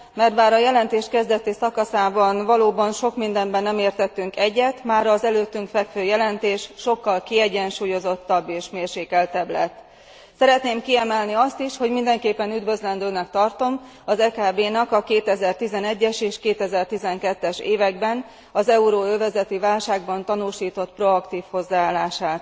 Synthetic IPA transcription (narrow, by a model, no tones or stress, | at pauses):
mɛrt̪baːɾɒjɛlɛnt̪eːʃkɛzd̪ɛt̪isɒkɒsaːbɒnvɒloːbɒnʃo̞kmind̪ɛmbɛnːɛmeːrt̪ɛt̪ːyŋkɛɟːɛt̪maːɾɒzɛløːt̪ːyŋkfɛkføːjɛlɛnt̪eːʃʃo̞kːɒlkiɛɟɛnʃuːjo̞zo̞t̪ːɒbːeːʃmeːrʃeːkɛlt̪ɛblɛt̪ː | sɛɾɛt̪neːmkiɛmɛlniɒst̪iʃho̞ɟmind̪ɛŋkeːpːɛnyd̪vø̞zlɛnd̪øːnɛk̚t̪ɒrt̪o̞m | ɒzɛkaːbeːnɒkɒkeːt̪ɛzɛrt̪izɛnɛɟːɛʃeːʃkeːt̪ɛzɛrt̪izɛŋkɛt̪ːɛʃeːvɛɡbɛn | ɒzɛuɾoːøːvɛzɛt̪ivaːlʃaːɡ̚bɒnt̪ɒnuːʃiːt̪o̞t̪pro̞ɒkt̪iːfho̞zːaːaːlːaːʃaːt̪